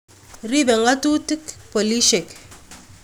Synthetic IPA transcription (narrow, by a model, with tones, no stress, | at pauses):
ri˦be˨ŋa˦tu˦ti˦kpo˨li˦ʃe˨k